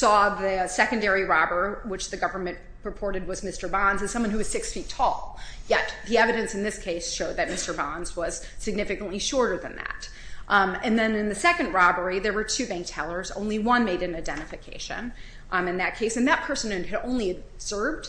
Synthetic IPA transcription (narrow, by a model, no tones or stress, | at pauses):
sɔðɨsɛkɨ̃n̩dɛɹiɹɑbə˞wɨt͡ʃðɨɡʌvə˞mɨ̃n | ɹɨpʰɔɹɾɨd̚wʌzmɪstə˞bɑ̃nzɨ̃nsʌ̃mwʌ̃nhʉwʌz̥sɪksfitʰɔlˠjɛt̪̚ðiɛvɨɾɨ̃nsn̩ðɪskʰeɪsʃoʊd̪̚ðɨt̚mɪstə˞bɑ̃nzwʌz̥sɨɡ̚nɪfɨkɨ̃n̩ʔliʃɔɹɾə˞ðɨ̃nðæ̰ɾ | ɨ̃nðɨ̃nɨ̃nðɨsɛkɨ̃ndɹɑbə˞iðə˞wə˞tʰʉbæ̃ŋk̚tʰɛlˠə˞zõ̰ʊ̃nliwʌ̃nmeɪɾɨ̃naɪdɛ̃ɾ̃ɨfɨkʰeɪʃɨ̰̃n | ɨ̃nðɨt̚kʰeɪsɨ̃nðɨt̚pʰɜ˞sɨ̃nɨ̃nɨɾõ̰ʊ̃nliɨz̥ɜ˞vd̥